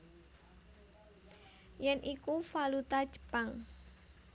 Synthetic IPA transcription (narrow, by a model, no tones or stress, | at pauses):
jɛnʔikufalut̪ad̥ʒ̥ə̥paŋ